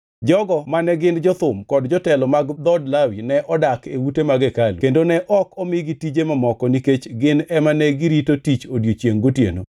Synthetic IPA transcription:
d͡ʒɔɡɔmanɛɡɪnd͡ʒɔt̪ʊmkɔdd͡ʒɔtɛlɔmaɡd̪ɔdlawinɛʔɔdakḛwutemaɡekalukendonɛʔɔkɔmɪɡitid͡ʒemamɔkɔniket͡ʃɡɪnɛmanɛɡiɾitotit͡ʃodjot͡ʃjeŋɡotjḛno̰

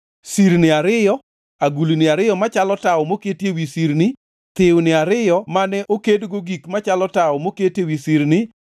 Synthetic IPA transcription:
siɾnɪaɾɪjɔ | aɡulinɪaɾɪjɔmat͡ʃalɔtaɔmoketjewisiɾnɪ | t̪ɪwnɪaɾɪjɔmanɛʔokedɡoɡikmat͡ʃalɔtaɔmoketewisiɾnɪ

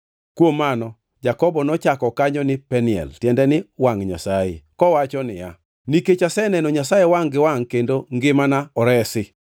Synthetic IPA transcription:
kwomːanɔ | d͡ʒakɔbɔnɔt͡ʃakɔkaɲɔnɪpɛnɪɛ̰ltjɛndɛnɪwaŋɲa̰saḛkɔwat͡ʃɔnɪ̰ja̰ | niket͡ʃasɛnɛnoɲasajewaŋɡɪwaŋkendoŋɡɪmanaɔɾɛsɪ

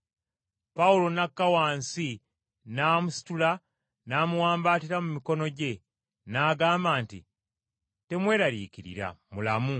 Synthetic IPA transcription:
paulo̞nakːawaːnsi | naːmusi̥tula | naːmuwaːmbaːtiɾamumiko̞no̞ɟe̞ | naːɡaːmbaːntḭ | te̞mwe̞ːɾaɾḭːciɾḭɾa̰mulamu

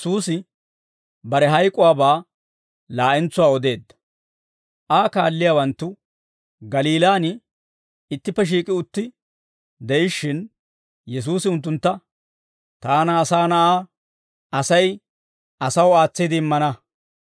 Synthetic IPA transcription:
suːsɪ | bɐɾɛɦɐjkʼːʊwaːbaː | laːʔɛnt͡sːʊwaːɔd̪e̞ːd̪ːɐ̥ | ʔaːkaːlːɪjaːwɐnt̪ːʊ | ɡɐliːlaːnɪ | ɪt̪ːɪpːɛʃ̬iːkʼɪʊt̪ːɪ | d̪ɛɪʃːɪn | jɛs̬uːsɪʊnt̪̬ːʊnt̪ːɐ | t̪aːnaːsaːnɐʔaː | ɐsɐj | ʔɐsɐwaːt͡sːid̪ɪɪmːɐnɐ

